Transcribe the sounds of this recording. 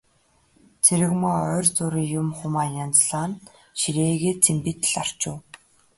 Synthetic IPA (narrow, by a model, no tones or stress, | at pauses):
t͡sʰeɾɘ̆ɣmaːœːrt͡sʊɾiːjʊmχʊmaːjant͡sɮaːn | ʃiɾeːɣeːt͡sʰempit̪ɘ̆ɮar̥t͡ɕʊː